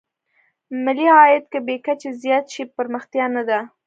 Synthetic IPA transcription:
mɪliɑjɪt̪̚kəbekat͡ʃezjɑt̪ʃipəɾməxt̪jɑnad̪a

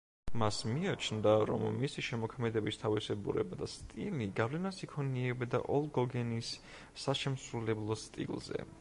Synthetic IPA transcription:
masmiat͡ʃʰnd̪aɾɔ̰mːisiʃɛmɔkʰmɛd̪ɛbist̪ʰavisɛbṵɾɛbad̪ast̪ʼiliɡavlɛnasikʰɔniɛbɛd̪a̰ʔɔlˠɡɔɡɛnisː | aʃɛmsɾulɛblˠɔst̪ʼḭlˠzɛ̰

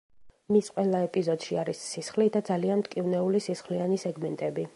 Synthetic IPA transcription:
misqʼwɛlˠaɛpʼizɔd̪̥ʃiaɾisːisχlid̪ad̪zalianmt̪kʼivnɛulisisχlianisɛɡmɛnt̪ʼɛbi

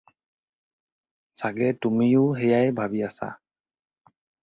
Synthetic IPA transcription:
saɡɛtumijʊɦejajbʱabiasa̰

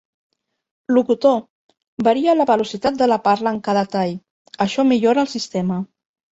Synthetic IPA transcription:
lukut̪o | bəɾiələβəlusit̪at̪̚d̪ələpaɾləːŋkaðət̪aj | əʃɔmiʎoɾəːlˠsist̪ɛmə

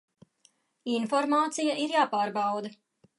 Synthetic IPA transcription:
infɔɾmaːt̪sijaʔiɾjaːpaːɾbawd̪ɐ

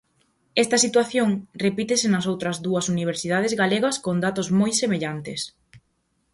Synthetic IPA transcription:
ɛst̪ɐsit̪waθjoŋrepit̪ɪsɪnɐs̬owt̪ɾɐzðuɐsuniβ̞eɾsið̞að̞ezɣaleɣɐskond̪at̪ozmojsemeʎant̪es

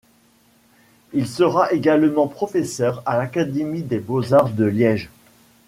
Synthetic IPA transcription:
ilsəʁaʔeɡalmɑ̃pχɔfɛsœʁalakad̪emid̪ebozaʁd̪əljɛʒ

